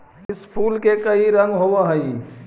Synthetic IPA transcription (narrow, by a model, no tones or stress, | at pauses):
ɪspʰuːlkekəiɾə̃ŋɡɦoːʋaɦəi